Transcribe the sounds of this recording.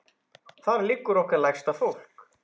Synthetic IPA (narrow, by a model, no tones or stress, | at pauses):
θaðliːkʏɾɔhkvɛɾlajxst̪afowl̥k